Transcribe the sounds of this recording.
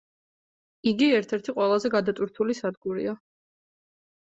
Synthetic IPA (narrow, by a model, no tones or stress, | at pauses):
iɡiɛɾt̪ʰɛɾt̪ʰiqʼwɛlˠazɛɡad̪at̪ʼwiɾt̪ʰulisad̪ɡuɾḭa